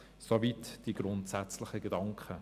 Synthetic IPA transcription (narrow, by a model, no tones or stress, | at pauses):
sovitd̥iɡɾʊntsæt͡slɪχəɡedɑŋkχə